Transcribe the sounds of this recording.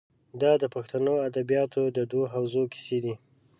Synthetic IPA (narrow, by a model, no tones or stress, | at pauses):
d̪ɑd̪əpaxt̪anoad̪abijɑt̪od̪əd̪woɦawzoki̥sed̪i